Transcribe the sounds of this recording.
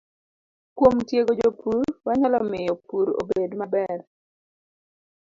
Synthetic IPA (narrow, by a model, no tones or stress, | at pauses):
kwomtjeɡod͡ʒopuɾwaɲalɔmɪjɔpuɾo̰bedmabɛr